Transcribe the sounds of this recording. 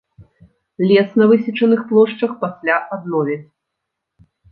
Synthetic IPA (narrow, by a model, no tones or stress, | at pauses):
lʲɛsnɐvɨsʲit͡ʂɐnɨxplˠɔʂt͡ʂɐxpasʲlʲaʔad̪̚nɔvʲɛt͡sʲ